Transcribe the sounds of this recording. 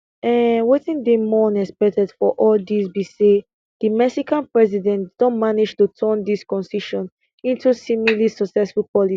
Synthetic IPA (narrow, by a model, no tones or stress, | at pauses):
ɛwetĩndemɔ̃nɛspɛk̚tɛd̥fɔʔɔldisbise | d̥imɛksikãnpɹɛzidɛ̃ntd̥ɔ̃nmanid͡ʒtutʰɜ̃ndiskɔ̃nsiʃɔ̃n | ĩntusĩmilisɔksɛsfulpɔli